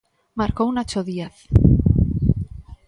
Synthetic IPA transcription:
maɾkownat͡ʃoðieθ

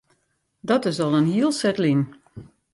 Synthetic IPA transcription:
dɔtɪsɔlˠənhiəlˠsɛtlin

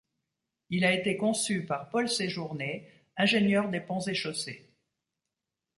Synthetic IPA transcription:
ilaet̪ekɔ̃sypaʁpɔlseʒuʁne | ɛ̃ʒenjœʁd̪epɑ̃zeʃose

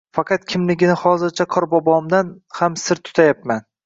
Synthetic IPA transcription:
fɑqʰɑt̪̚kʲʰɪmlɪɡʲɪnɪhɒzɪɾt͡ʃʰaqʰɒɾbɒbɒmd̪anhamsɪɾt̪ʰʊ̥t̪ʰajapman

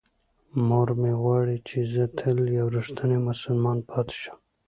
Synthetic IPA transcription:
moɾmewɑɽit͡ʃʰezət̪ʰəljawɾuʃt̪ʰənemʊsəlmɑnpʰɑt̪ɪ̥ʃḁm

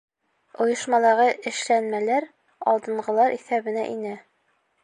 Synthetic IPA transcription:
ŏjɤ̆ʃmɑlˠɑʁɤʔɘ̆ʃlænmælæɾ | ɒlˠd̪ɤ̆ɴɢɤ̆lˠɑɾʔiθæbɘ̆næ̰ʔinɘ

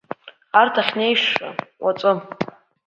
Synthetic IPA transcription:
artʰaχʲnejʂa̰wat͡sʼɨ

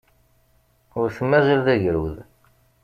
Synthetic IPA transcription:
ʊɾθəmːæzəlðæʝɾṵð

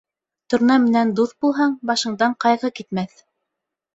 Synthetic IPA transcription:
t̪ŭɾnɑmɘ̆nænd̪uθbulˠɦɑɴbɑʃɤ̆ɴd̪ɑɴqɑjʁɤkit̪mæθ

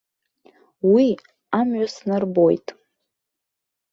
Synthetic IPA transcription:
wi | amɥasnɨrbo̞jtʼ

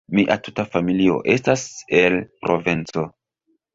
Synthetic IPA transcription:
miʔa̰tu̥tafamilio̞̰ʔe̞stase̞lpɾo̞vint͡so̞

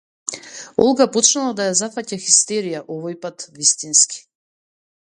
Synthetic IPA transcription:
ɔ̰lˠɡapɔt͡ʃnulˠad̪ajazafacaxist̪ɛɾijaʔɔvɔjpat̪vist̪inski̥

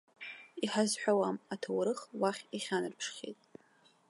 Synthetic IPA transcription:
iħazħʷᶣawamatʰawɾɨχwaχʲiχʲanɨrpʰʂχʲḛtʼ

